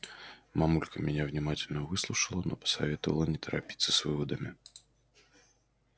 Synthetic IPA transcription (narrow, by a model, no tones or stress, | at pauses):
mamulʲkɐmʲɛnʲɛvnʲimat͡sʲɪlʲnəvɨslˠuʂɐlˠɐnɔpɐ̥sa̰vʲɛt̪ɐvɐ̰lˠɐnʲɛt̪ɐɾapʲi̥t̪sːɐsvɨvɐd̪ɐmʲi